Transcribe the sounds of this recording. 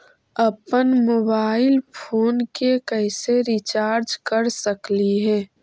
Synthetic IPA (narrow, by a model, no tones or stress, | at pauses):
əpənmoːbaːɪlpʰoːnkekəɪseɾɪt͡ʃaːɾd͡ʒkəɾsəkliɦɛː